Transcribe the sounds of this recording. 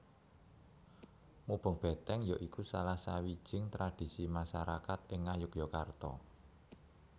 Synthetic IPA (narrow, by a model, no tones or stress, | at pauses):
mub̥ə̤ŋb̥ɛ̤t̪ɛŋjɔʔikusalahsawid̥ʒ̥ɪŋt̪ɾad̪̥i̤simaʃaɾakat̪ɪŋːajʊkjɔkart̪ɔ̰